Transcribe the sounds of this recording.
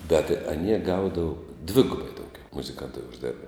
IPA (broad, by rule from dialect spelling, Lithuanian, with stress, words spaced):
bʲɛt ɐˈnʲiɛ ˈɡɐʊdɐʋʊ ˈdʲʋʲɪɡʊbɐɪ dɐʊˈɡʲɛʊ mʊzʲɪˈkɐntɐɪ ʊʒʲˈdʲeːrbɐ